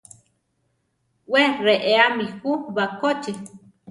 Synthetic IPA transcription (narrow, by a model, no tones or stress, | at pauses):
weɾeʔeamihuβakot͡ʃi